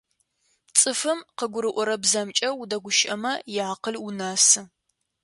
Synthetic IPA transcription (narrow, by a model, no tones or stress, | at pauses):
t͡sʼɨfɨmqəɡʷʊɾɨʔʷɔɾɐbzɐmt͡ʃʼɐwudɐɡʷʊʃʼɐmɐjɪʕaqəlʊnaːsɨ